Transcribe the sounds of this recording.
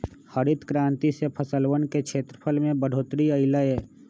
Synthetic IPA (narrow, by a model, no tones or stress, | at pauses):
həɾɪt̪kɾãːnt̪isepʰəsəlwənkekʃʰeːt̪ɾəpʰəlmẽbəɖ̤ʱoːt̪ɾiəɪlaeː